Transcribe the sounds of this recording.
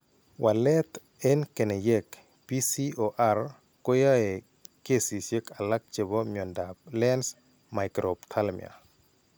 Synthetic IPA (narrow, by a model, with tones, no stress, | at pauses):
wa˨lɛ˦t̪ | ɛ˦nkɛ˨nɛ˨jɛ˦k | pi˦si˦o˨ʔa˦r | ko˦ja˦ɛ˨ | ke˦si˨sje˦ka˨la˦k̚t͡ʃe˨bo˦mjɔ˨ndablɛ˦ns | ma˨jkɾo˨pt̪ʰa˦lmḭa̰˨